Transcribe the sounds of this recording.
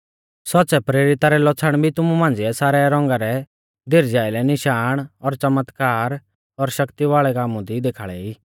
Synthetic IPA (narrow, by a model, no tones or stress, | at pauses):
sɔtːsɛpɾeːɾɪt̪aɾɛlɔt͡sʰəɽ̃bʱit̪ʊmumãːnd͡zɪɛsaːɾɛɾɔ̃ːŋɡaɾɛ | d̪ʱɪɾd͡zjaːɪlɛnɪʃaːɽ̃ɔɾt͡ʃɐmət̪kaːɾ | ɔɾʃɐkt̪iʋaːɭɛkaːmũd̪id̪eːkʰaːɭɛiː